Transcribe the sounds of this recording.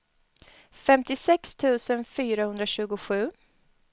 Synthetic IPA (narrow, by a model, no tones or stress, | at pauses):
fɛmt̪ɪsɛkst̪ʰʉ̟ːsənfyːɾahɵnd̪ɾaɕʉ̟ːɡʊɧʉ̟ː